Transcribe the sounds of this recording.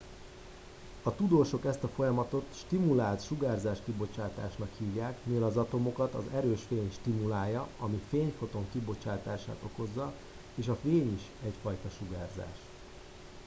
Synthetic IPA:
ɒt̪ud̪oːʃo̞kɛst̪ɒfo̞jɒmɒt̪o̞t̪ʃt̪imulaːlt̪ʃuɡaːrzaːʃkibo̞t͡ʃaːt̪aːʃnɒkhiːvjaːkmiɛlɒzɒt̪o̞mo̞kɒt̪ɒ̰zɛɾøːʃfeːɲʃt̪imulaːjɒɒmifeːɲfo̞t̪o̞ŋkibo̞t͡ʃaːt̪aːʃa̰ːt̪o̞ko̞zːɒ | eːʃɒfeːɲiʃ | ɛcfɒjt̪ɒʃuɡaːrza̰ːʃ

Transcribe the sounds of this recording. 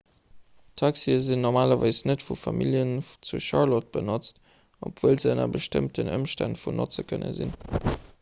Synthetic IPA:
tʰɑksiəzinːɔʁmaːlɐvaɪsnətfufɑmiljənt͡suʃɑʁlɔt̚b̥ənot͡st | ʔopv̥uəlzəənɐ̰bəʃtəmtənə̰mʃtantfunot͡səkʰənə̰zḭn

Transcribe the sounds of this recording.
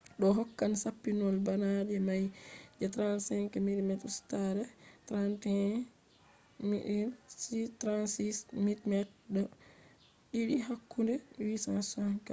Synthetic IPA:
ɗɔɦɔkːansapːinɔlbanad͡ʒɛmajd͡ʒɛtɾansɛŋkɛmiɾmɛtustaɾɛtɾantɛ | miɗinsitɾansismitmɛt̚ɗɔ | ɗiɗiɦakːundɛwisasaŋka

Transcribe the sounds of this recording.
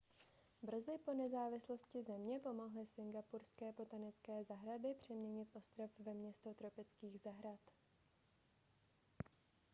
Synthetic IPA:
br̩zɪpo̞nɛzaːvɪslo̞scɪzɛmɲɛpo̞mo̞ɦlɪsɪŋɡapuɾskɛːpo̞t̪anɪt͡skɛːzaɦɾadɪpr̝̥ɛmɲɛɲɪt̪ʔo̞st̪ɾofvɛmɲɛst̪o̞t̪ɾo̞pɪt͡skiːɣzaɦɾat̪

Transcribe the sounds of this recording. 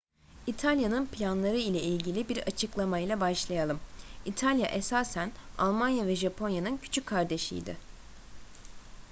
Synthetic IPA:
it̪ʰalʲjanɯnpʰlʲanlˠaɾɯilʲɛilʲɟilʲibiɾat͡ʃʰɯklˠamajlʲˠabaʃlˠajalˠɯmit̪ʰalʲjaʔesaːsæna̰lˠmanjavɛʒapʰo̞njanɯncʰy̥t͡ʃʰycʲkʰːaɾd̪e̞ʃḭjd̪ɪ̰

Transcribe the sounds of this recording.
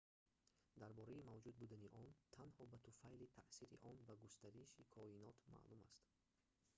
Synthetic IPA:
d̪aɾbɔɾaimavd͡ʒud̪̚bud̪aniʔɔnt̪ʰanhɔbat̪ʰufajlit̪ʰaʔsiɾḭʔɔnbaɡust̪aɾiʃikʰɔinɔt̪ma̰ʔluma̰st̪

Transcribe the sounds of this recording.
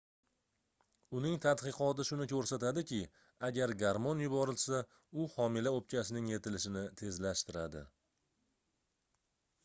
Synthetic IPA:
ʊnɪŋt̪ʰat̪qɨqɒt̪ɪʃʊnɪkʲʰɵɾsat̪ad̪ɪkʲɪ | aɡʲaɾɡaɾmonjʊbɒɾɪlsa | ʊhɒmɪlaop̚t͡ʃʲʰasɪnɪŋje̞t̪ʰɪlɪʃɪnɪt̪ʰe̞zlaʃt̪ɪɾad̪ɪ̰

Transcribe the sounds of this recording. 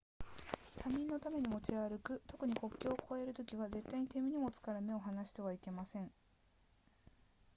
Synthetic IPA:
t̪aɲ̟ʲĩnːo̞t̪ame̞ɲ̟imo̞t͡ɕiaɾɯ̟kɯ̟t̪o̞kɯ̟ɲ̟iko̞kʲːo̞ːko̞e̞ɾɯ̟t̪o̞kʲiβaze̞t̪ːaiɲ̟it̪e̞mʲiɲ̟imo̞t͡sɨ̥kaɾɯme̞o̞ɦanaɕi̥t̪e̞βaike̞masẽ̞ŋ

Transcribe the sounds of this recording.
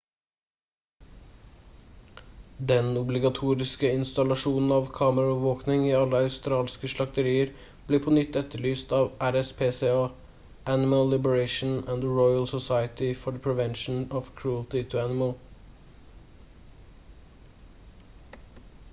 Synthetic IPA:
d̪ɛnʊblɪɡɑt̪ʰuːɾɪskəɪnst̪ɑlɑʃuːnn̩ɑːʋkʰɑːməɾɑʉʋəʋoːknɪŋiːɑləɑʉst̪ɾɑːlskəʃlɑk̚t̪əɾiːəɾ | b̥liːpʰoːnʏt̪ɛt̪əɭyːst̪ɑːʋʔæɾɛspʰeːseːɑː | ʔænɪməlːɪbəɹeɪʃn̩ænd̪ɹɔɪəlsɔsɑɪət̪ɪfɔɖəpʰɹɛʋɛnʃn̩ɔʋkʰɹuːəlt̪ɪt̪ʰʉænɪməl

